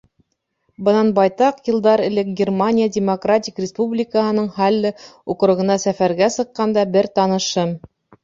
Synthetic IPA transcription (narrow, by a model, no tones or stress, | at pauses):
bɤnɑnbɑjt̪ɑqjɤ̆lˠd̪ɑɾɘ̆lɘk̚ɡʲɪrmanʲijadʲɪmokratʲikrʲɪspublʲɪkəɦɤ̆nɤɴhɑlːɘuqɾŭʁɤ̆nɑsæfæɾɡæsɤ̆qːɑnd̪ɑbɘɾt̪ɑnɤ̆ʃɤm